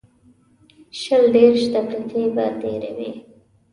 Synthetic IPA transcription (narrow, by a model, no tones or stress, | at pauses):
ʃəlɖ̪eɾʃd̪apɾat͡seba̰deɾawi